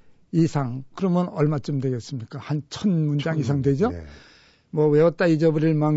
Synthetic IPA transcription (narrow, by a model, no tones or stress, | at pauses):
isʰaŋkɯɾʌmjʌnʌɭmat͡ɕ͈ɯmdwe̞ɡes͈ɯmɲik͈ahant͡ɕʰʌnmund͡ʑaŋisʰaŋdwe̞d͡ʑo | mwʌwe̞ʌt͈aid͡ʑʌbɯɾiɭmaŋ